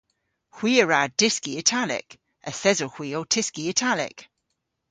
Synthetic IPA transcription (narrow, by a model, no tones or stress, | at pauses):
hw̥iːəɹad̥ɪskiətʰalɪ̰k | əθɛzohw̥iːowtʰɪskiətʰalɪ̰k